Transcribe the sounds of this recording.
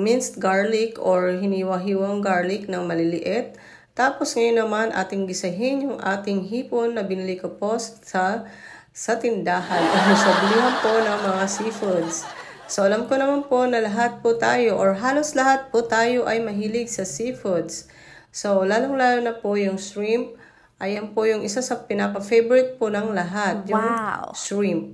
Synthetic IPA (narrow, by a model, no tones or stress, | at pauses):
mɪnst̪̚ɡaɹlɪkoɹɦɪniwɐɦiːwɐŋɡaɹlɪknɐŋmɐlɪlɪʔɛt̪̚ː | aːpo̞sŋɐjonːɐmanʔa̰ːt̪ɪŋɡɪsɐɦɪnjʊŋʔa̰ːt̪ɪŋɦiːponːɐbɪnɪlikopo̞st̪sɐ | sɐt̪ɪnd̪aːɦɐnʔoʊsɐbɪliɦɐnpo̞nɐŋmɐŋasifud̪s | soʔɐlamkonɐmanpo̞nɐlɐɦat̪̚pʊt̪aːjo̞ʔoɹɦaːlo̞slɐɦat̪̚pot̪aːjo̞ʔɐjmɐɦiːlɪɡ̚sɐsifʊd̪s | so̞wlaːloŋlaːlonɐpojʊŋsɹimp̚ | ʔɐjɐmpojʊŋʔɪsasɐpɪnapɐfejbɛɹɪt̪̚ponɐŋlɐɦat̪̚jʊŋsɹimp̚